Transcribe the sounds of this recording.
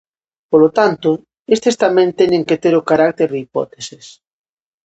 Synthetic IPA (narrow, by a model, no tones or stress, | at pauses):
polot̪ant̪ʊ | est̪est̪amẽnt̪eɲẽŋket̪eɾokaɾak̚t̪eɾðipɔ̰t̪eses